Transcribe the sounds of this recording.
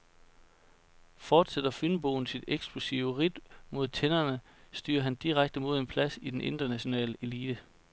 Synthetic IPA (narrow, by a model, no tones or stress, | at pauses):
fɒːd̥sed̥ɐfynb̥o̝ːn̩sid̥eɡ̥sb̥lusḭʊəʁid̥mo̝ð̞̰ˠt͡sʰenɐnəsd̥y̰ːɐɦænd̥iʁaɡ̥̚d̥əmo̝ð̞ˠe̝npʰlæsid̥enʔe̝nd̥ɐnæɕo̝nɛ̰ːləʔe̝liːd̥ə